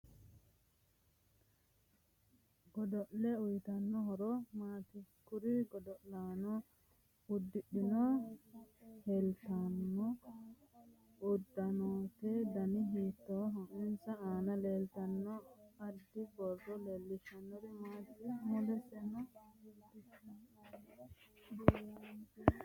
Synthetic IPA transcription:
ɡɔdɔʔlɛujt̪anːɔɦɔɾɔmaːt̪i | kuɾiɡɔd̪ɔʔlanɔ | ud̪ːɪɗːinɔ | hɛlt̪anːɔ | ʊd̪ːɐnoːt̪ɛd̪ɐnɪɦiːt̪ːɔɦɔɪnsɐaːnɐleːlt̪ɐnːɔɐd̪ːɪbɔɾdɔleːlːɪʃɐnːɔɾɪmaːt̪ɪmɔlɛsɛnɔ

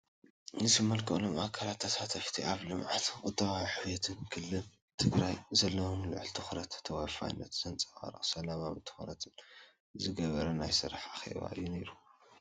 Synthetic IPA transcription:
nɨsimɐlkʰɐʔʼlomakʰalat̪ʰːat̪ʰat̪ʰɐʃt̪ʰiʔaβlɨmʕat̪kʼɨt̪ʼːɐβajħɨβjet̪ʰɨnkʰɨlːɨn | t̪ʰɨɡɾajzɐlːɐwomlɨʕɨlt̪ʰɨxɾɐt̪ːʰɐwafa̰jnːɐ̰t̪z̥ɐnt͡sʼxʼa̰ɾɨ̰χʼsɐlamamɨnt̪ʰɨ̥xonɐt̪ʰɨn | zɨɡɐβɐɾɐnajsɨɾaħaxḛβa̰ʔɨ̰jːuneɾu

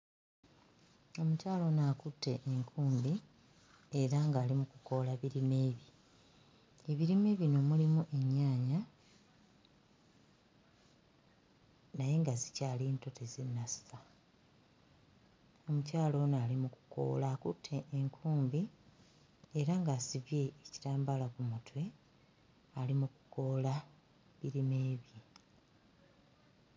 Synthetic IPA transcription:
o̞mucaːlo̞naːkutʰːe̞ʔːŋkʰuːmbi | e̞ɾaŋɡaːlimukuko̞laβiɾime̞ːβi | e̞βiɾime̞ːβino̞mulimuʔe̞ɲːaːɲa | naje̞ŋɡazi̥caːliːnto̞tezenːasi̥fa | o̞mucaːlo̞ːnoalimuku̥ko̞̰ːlakutʰːeʔːŋkʰuːmbi | eɾaŋɡasiβje̞ːci̥taːmbalakumutwe̞ | alimuku̥ko̞ːla | βiɾime̞ːβji

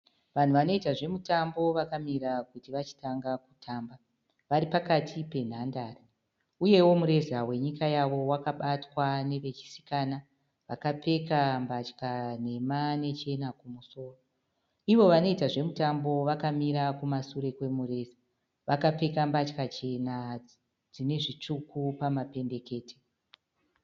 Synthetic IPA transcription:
ʋan̤uʋano̞itaʐe̞mutambo̞ʋakamiɾakutiʋat͡ʃi̥taŋɡakutʰaːmba | ʋaɾipakatʰipe̞n̤andaːri | uje̞wo̞muɾe̞zawe̞ɲikajaʋo̞wakaɓatwane̞ʋe̞t͡ʃi̥si̥kaːna | ʋakape̞kambat͡ʃkane̞mane̞t͡ʃe̞nakumuso̞ːro | iʋo̞ʋano̞itaʐe̞mutambo̞ʋakamiɾakumasuɾe̞kwe̞muɾe̞ːza | ʋakap͡fe̞kambat͡ʃkat͡ʃe̞na | d͡zine̞ʐit͡ʂukʰupamape̞mbe̞ke̞ːtʰe̥

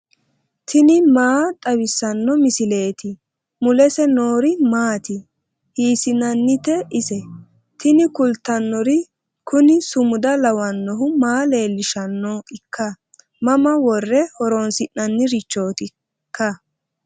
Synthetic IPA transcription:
t̪ʰɪnɪmaːt̪ʼɐwɪsːɐnːɔmɪsɪle̞ːt̪ɪ | mʊlɛsɛno̞ːɾɪmaːt̪ɪ | hiːsɪnɐnːɪt̪ɛɪsɛ | t̪ɪnɪkʊlt̪ːɐnːɔɾɪ | kʊnɪsʊmʊd̪ɐlɐwɐnːɔɦʊmaːle̞ːlːɪʃɐnːɔɪkːɐ | mɐmɐwɔrːɛhɔɾonsɪʔːɐnːɪɾɪt͡ʃːoːt̪ɪ | kːɐ

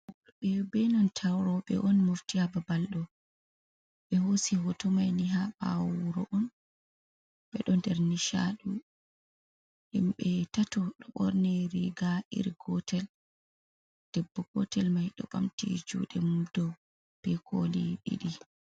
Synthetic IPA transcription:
bɛbɛnɔntʰawɾɔɓɛ̰ʔɔnmoftihababalɗɔ | ɓɛhosiɦɔtɔmajniɦaba̰wuɾɔʔɔn | ɓɛɗɔndɛɾniʃa̰ɗu | ɗimɓɛtatɔɗɔɓɔɾnɛɾiɡaʔḭɾɡɔtʰɛl | d̥ɛbːɔɡɔtɛlmajɗɔ̰ɓa̰mtḭd͡ʒṵɗɛmudɔ | b̥ɛkʰoliɗḭɗi

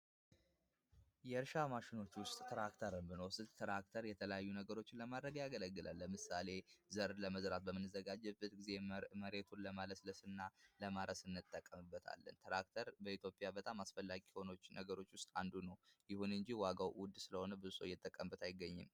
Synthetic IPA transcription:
jɛɾʃamaʃɪno̞t͡ʃːwʊst̪ʼt̪ʰɾakt̪ʰəɾəmbɨnowsɨlt̪ʰɾak̚t̪ʰəɾjɛt̪ʰələjajːunəɡəɾo̞t͡ʃːɪnləmad̪ɾəɡjaɡələɡːɨlʔa̰lːəmɨsale̞zəɾləməzɾat̪̚bəmɨnːɨzəɡad͡ʒɛbɨt̪ɡize̞məɾe̞t̪ʰunləmaləsləsɨnːaləmaɾəsɨnːɨt̪ʼːəkʼːəmɨbːət̪ʰa̰lːə̰nt̪ʰɾak̚t̪ʰəɾbəit̪jo̞pʼjabət̪ʼamasfəlːaɡiho̞no̞t͡ʃːnəɡəɾo̞t͡ʃːwʊst̪ʼand̪unəwjɪhunɨɲd͡ʒiwaɡawwʊd̪ːsɨləho̞nəbɨzso̞̰jːɛt̪ʼːəkʼːəmbət̪ʰajɪɡːəɲːɪ̰m

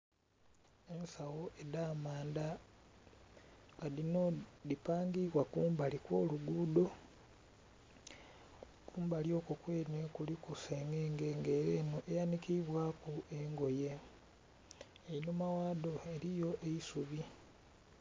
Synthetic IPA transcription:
e̞nsawoʔedaːmaːnda | adinodipaːŋɡiβwakuːmbalikwoːluɡuːdo̞ | kuːmbaljo̞ːkukweːnekulikuseŋɡe̞ːŋɡeŋɡeːɾeːnoʔejanikiβwaːkueŋɡo̞je̞ | einomawaːdo̞e̞ɾijo̞ʔeisuβi

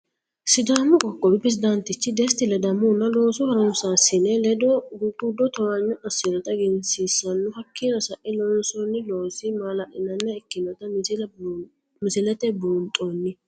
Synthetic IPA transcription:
sɪd̪aːmʊkʼɔkʼːɔbɪpɾɛs̬ɪd̪ɐnt̪ɪt͡ʃːɪd̪ɛst̪ːɪlɛd̪ɐmunːɐlo̞ːsʊhɐɾɔnsasɪnɛlɛd̪ɔɡuɡʊd̪ːɔt̪ɔɾɐɲːɔʔɐsɪɾɔt̪ɐɡɛnsiːsːɐnːʊhɐkːinɐsɐʔɪlɔnsɔnːɪloːsɪmalɐʔɪnɐnːɛɛkːɪnɔt̪ɐml | mɪsɪlɛt̪ɛbunt̪ʼoːnːɪ

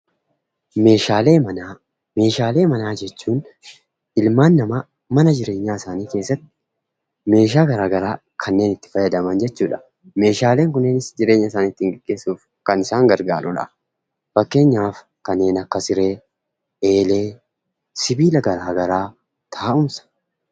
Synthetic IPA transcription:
meːʃaːleːmɐnaː | me̞ːʃaːle̞ːmɐnaːd͡ʒɛt͡ʃːuːn | ɪlmaːnːɐma | mɐnɐd͡ʒɪɾe̞ːɲːaːɪsaːniːke̞ːsːɐt̪ːɪ̥ | me̞ːʃ̬aːɡɐɾaːɡɐɾaː | kʰɐnːe̞ːnɪt̪ːɪ̥fɐjɐd̪ɐmɐnd͡ʒɛt͡ʃːuːᶑɐ̥ | me̞ːʃaːle̞ːŋkʊnːeːnɪsd͡ʒɪɾe̞ːɲːɐɪsaːniɪt̪ːɪɪŋɡɛɡ̥ːe̞ːsuːf | kɐnɪsaːŋɡɐɾɡaːɾʊ̰ᶑɐ̰ | fɐkːe̞ːɲːaːf | kɐnːe̞ːnɐkːɐsɪɾe̞ː | eːle̞ː | sɪbiːlɐɡɐɾaːɡɐɾaː | t̪ʰaːʊmsɐ̥

